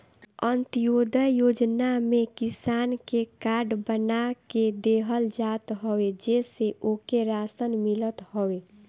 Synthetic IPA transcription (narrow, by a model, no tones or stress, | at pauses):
ənt̪jod̪əjoːd͡ʒnamẽkisaːnkekaːɾɖbənaked̪eɦəld͡ʒat̪ɦoed͡ʒɛseʔokeɾaːsənmilət̪ɦowe